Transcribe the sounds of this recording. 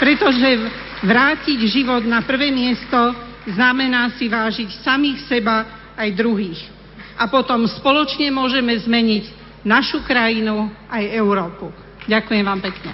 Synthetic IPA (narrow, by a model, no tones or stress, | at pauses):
pɾɛt̪ɔʒɛ | ʋɾaːciɟʒiʋɔd̪napr̩ʋɛːmɪɛst̪ɔ | znamɛnaːsiʋaːʒicsamiːxsɛbaː | jd̪ɾuɦiːx | ʔapɔt̪ɔmspɔlɔt͡ʃɲɛmʊɔʒɛmɛzmɛɲiɟ | naʃukɾajinuʔajɛʊɾɔːpu | ɟakujɛmʋaːmpɛkɲɛ̰